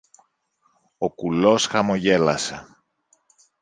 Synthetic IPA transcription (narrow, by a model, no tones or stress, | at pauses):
okulo̞sxɐmo̞ʝe̞lɐse